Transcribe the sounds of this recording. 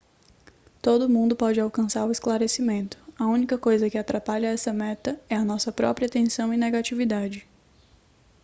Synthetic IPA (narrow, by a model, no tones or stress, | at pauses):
t̪od̪ʊmũnd̪ʊpɔd͡ʒɪawkɐ̃saɾʊɪsklaɾesimẽnt̪ʊ̥ɐũnikɐkojzɐkɪat̪ɾapaʎɐɛsɐmɛt̪ɐɛɐnɔsɐpɾɔ̰pɾiɐt̪ẽsɐ̃w̃ɪneɡat͡ʃivid̪ad͡ʒɪ